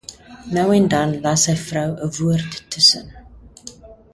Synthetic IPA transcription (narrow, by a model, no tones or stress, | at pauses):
nœwɛndɐnlɐsəjfrœwəvuərtːəsə̰n